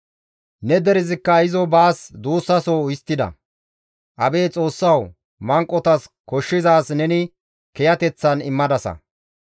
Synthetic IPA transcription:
nɛd̪ɛɾɪzɪkːɐɪzɔbaːsd̪uːsːɐsoːjɪst̪ːɪd̪ɐ̰ | ʔɐbe̞ːt͡sʼo̞ːsːɐw | mɐŋkʼːɔt̪ɐskɔʃːɪzaːsnɛnɪ | kɛjɐt̪ɛt͡sːɐnɪmːɐd̪ɐsɐ̰

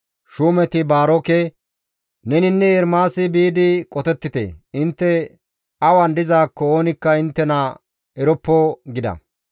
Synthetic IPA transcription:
ʃuːmɛt̪ɪbaːɾɔke | nɛnɪnːɛɛɾmaːsɪbiːd̪ɪkʼɔt̪ɛt̪ːɪt̪ḛːɪnt̪ːɛ | ɐwɐnd̪ɪzaːkːɔoːnɪkːɐɪnt̪ːɛnɐ | ɛɾɔpːɔɡɪd̪ɐ̰

